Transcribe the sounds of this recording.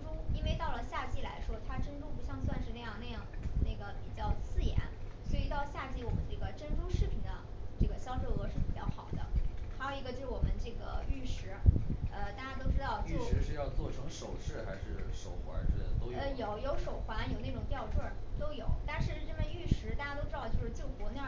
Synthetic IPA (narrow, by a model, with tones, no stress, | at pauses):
ʈ͡ʂu˥i˥nwe˥˧ɪt̪ɑ˥˩ʊlə˩ɕja˥˧t͡ɕi˥˩la̰˧˥ɪʂwɔ˥t̪ʰa˥ʈ͡ʂə˥nʈ͡ʂu˥pu˧˥ɕjɑ˥˧ŋswa˥˧nʂɻ̩˥˧na˥˧jɑ˥˧ŋna˥˧jɑ˥˩ŋna˥˩ɡə˩pi˨˩t͡ɕjɑ˥˧ʊt͡sʰɹ̩˥˩jɛ̰˧˥nswɔ˧˥i˨˩t̪ɑ˥˧ʊɕja˥˧t͡ɕi˥˩wɔ˨˩mə˦nʈ͡ʂɤ˥˩ɡə˩ʈ͡ʂə˥nʈ͡ʂu˥ʂɻ̩˥˩pʰi˨˩nd̪ə̰˦ | ʈ͡ʂɤ˥˩ɡə˩ɕjɑ˥ʊʈ͡ʂɤ˥˩ɤ˧˥ʂɻ̩˥˩pi˨˩t͡ɕjɑ˥˩ʊxɑ˨˩ʊd̪ə̰˦xa˧˥jo˨˧˩ʊi˧˥ɡə˧jo˥˧ʊʂ̩˥˩wɔ˨˩mə˦nʈ͡ʂɤ˥˩ɡə̰˩y˥˩ʂɻ̩˧˥ə˧t̪a˥˧˩t͡ɕja˥t̪o˥ʊʈ͡ʂɻ̩˥t̪ɑ˥˧ʊt͡ɕjʂɻ̩˧ɛ˧˥ʂɻ̩˥˧jɑ˥˧ʊt͡swɔ̰˥˩ʈ͡ʂʰɤ˧˥ŋʂo˨˩ʊʂɻ̩˥˩xa˧˥ɪʂɻ̩˥˩ʂo˨˩ʊxwa̰˧˥nʈ͡ʂ̩˥˩˨t̪o˥ʊə˧jo˨˩ʊjo˧˥ʊʂo˨˩ʊxwa˧˥njo˨˩ʊne˥˩ʈ͡ʂʊ˨˩ŋt̪jɑ˥˧ʊʈ͡ʂwə˥˩t̪o˥ʊjo˨˩˦ʊt̪a˥˧nʂɻ̩˥˧ʈ͡ʂə˥˩mə˥˩y˥˩ʂɻ̩˧˥t̪a˥˩t͡ɕja˥o˥ʊʈ͡ʂɻ̩˥ɑ˥˧ʊt͡ɕjo˥˧ʊʂɻ̩˥˧t͡ɕjo˥˩ʊkwɔ˧˥na˥˩